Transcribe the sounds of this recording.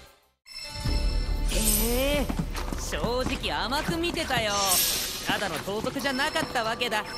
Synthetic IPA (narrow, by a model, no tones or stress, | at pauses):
eː | ɕo̞ːʑikʲiamakɯ̟mʲit̪e̞t̪ajot̪ad̪ano̞t̪o̞ːzo̞kɯ̟ʑanakat̪ːaβake̞d̪a